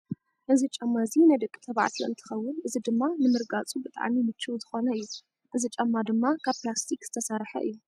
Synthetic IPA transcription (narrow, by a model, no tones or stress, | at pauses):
ʔɨzit͡ʃʼɐmːazinɐjd̪ɐkʼːi̥t̪ʰɐβa̰ʕt̪ʰiʔɨ̰nt̪ʰɨ̥xɐwːʊnʔɨzid̪ɨmːanɨmɨɾɡat͡sʼubɨt̪ʼa̰ʕmimɨt͡ʃʰːɨwzɨxo̞nɐɨjːu | ʔɨzit͡ʃʼɐmːad̪ɨmːakʰaβplast̪ʰikz̥ɨ̥t̪ʰɐsaɾħɐ̰ʔɨ̰jːu